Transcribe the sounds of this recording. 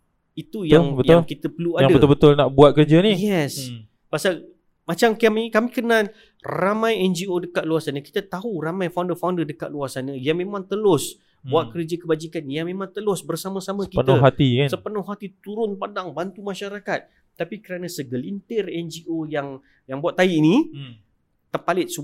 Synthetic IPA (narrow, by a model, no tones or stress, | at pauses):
it̪ujaŋbəj̪aʊŋlkit̪əpəluajaŋdəbəʊlbət̪ʊlnaʔbuat̪̚kərd͡ʒanijɛs | pasal | mat͡ʃamkamikamikənal | ramãjɛnd͡ʒiodəkat̪̚luasanə̃ki̥t̪ət̪aɦuramãjfawndəfawndərdəkat̪̚luarsanə̃jaŋmẽmãŋt̪əlʊs | buaʔ̪̚kəɾd͡ʒəkəbad͡ʒikanjamẽmãŋt̪əlʊsbərsamə̃samə̃əkiənəɦat̪ikansəpənɔhɦat̪it̪uɾʊnpadaŋbant̪umaʃaɾakat̪̚ː | apikəɾanə̃səɡəlint̪ərɛnd͡ʒiʔojaŋ | jaŋbuaʔt̪ːaiʔnĩ | t̪ərpalɪt̪̚su